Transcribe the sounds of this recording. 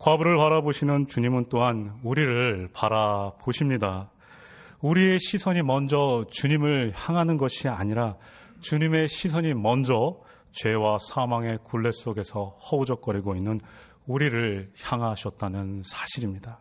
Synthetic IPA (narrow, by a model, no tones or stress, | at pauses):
kwabuɾɯɭpaɾaboɕʰinɯnt͡ɕuɲimɯnt͈oɦanuɾiɾɯɭpaɾapoɕʰimɲida | uɾie̞ɕʰisʰʌɲimʌnd͡ʑʌt͡ɕuɲimɯɭçjaŋɦanɯnɡʌɕʰiaɲiɾa | t͡ɕuɲime̞ɕʰis̬ʰʌɲimʌnd͡ʑʌ | t͡ɕwe̞wasʰamaŋe̞kuɭːe̞s͈oɡe̞sʰʌhʌud͡ʑʌk͈̚ʌɾiɡoinːɯn | uɾiɾɯɭçjaŋɦaɕʰʌt̚t͈anɯnsʰḁɕʰiɾimɲida